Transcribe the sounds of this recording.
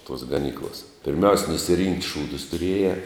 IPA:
toːs ɡɐˈnʲiːklˠɐs pʲɪrʲˈmʲɛʊsʲ nʊsʲɪˈrʲɪŋktʲ ˈʃuːdʊs tʊˈrʲiɛjɛː

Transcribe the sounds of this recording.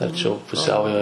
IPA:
ɐrʲˈt͡ʃʲɛʊ pʊˈsʲɛʊjoː

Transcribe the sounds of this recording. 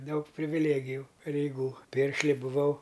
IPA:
ˈdɐʊk pʲrʲɪʋʲɪˈlʲeːɡʲɪjʊ pɐrʲɛɪˈɡuː ˈpʲɪrʲʃʲlʲɪ bʊˈʋɐʊ

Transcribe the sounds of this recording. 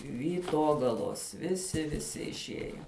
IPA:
ʋʲiːˈtoːɡɐlˠoːs ʋʲɪˈsʲɪ ʋʲɪˈsʲɪ ɪʃʲˈiɛjɛ

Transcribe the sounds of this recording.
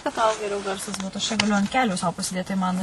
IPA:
kɐt tɐʊ ɡʲɛˈrʲɛʊ ˈɡɐrsɐs ˈbuːtʊ ɐʃ t͡ʃʲɛ ɡɐˈlʲʊ ɐnt ˈkʲæːlʲuː sɐʊ pɐsʲɪˈdʲeːt tɐɪ ˈmɐn

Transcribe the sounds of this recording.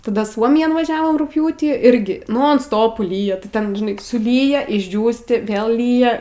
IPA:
tɐˈdɐ ˈsuɔmʲɪjɛn ʋɐˈʒʲæːʋoːm rʊkˈpʲjuːtʲiː ˈɪrʲɡʲɪ ˈnoːn ˈstoːpʊ ˈlʲiːjɛ tʲɪ ˈtʲɛn ˈʒʲɪnɐɪ sʊˈlʲiːjɛ ɪʒʲˈd͡ʒʲuːsʲtʲɪ ˈʋʲeːlˠ ˈlʲiːjɛ

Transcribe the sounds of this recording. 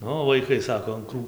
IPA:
ˈnʊ ʋɐɪˈkɐɪ ˈsɑːkoː ɐn ˈkruː

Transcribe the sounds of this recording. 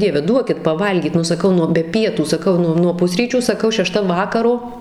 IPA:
ˈdʲiɛʋʲɛ ˈduɔkʲɪt pɐˈʋɐlʲɡʲiːt nʊ sɐˈkɐʊ nʊ bʲɛ ˈpʲiɛtuː sɐˈkɐʊ ˈnʊ nuɔ ˈpʊsʲrʲiːt͡ʃʲuː sɐˈkɐʊ ʃʲɛˈʃtɐ ˈʋɑːkɐroː

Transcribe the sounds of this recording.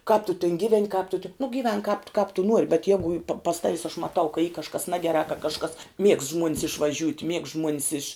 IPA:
kɑːp tʊ tʲɪn ˈɡʲiːˌʋʲɛnʲ kɑːp tʊ tʲɪ nʊ ɡʲiːˈʋʲɛŋk kɑːp t kɑːp tʊ ˈnuɔrʲɪ bʲɛt ˈjæːɡʊ pɐ pɐs ˈtɑːʋʲɪs ɐʃ mɐˈtɐʊ kɐ iː kɐʃˈkɐs ˈnɑːɡʲɛrɑː kɐ kɐʃˈkɐs mʲiɛkst ʒmuɔnʲs ɪʃʋɐˈʒʲuːtʲ mʲiɛkst ʒmuɔnʲs ɪʃ

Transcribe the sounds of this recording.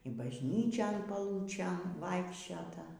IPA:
ɪ bɐʒʲˈnʲiːt͡ʃʲoːn pɐˈlˠuːt͡ʃʲeːn ˈʋɐɪkʃʲt͡ʃʲoːtɐ

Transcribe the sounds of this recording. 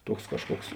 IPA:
ˈtuɔks ˈkɑːʃˌkuɔks

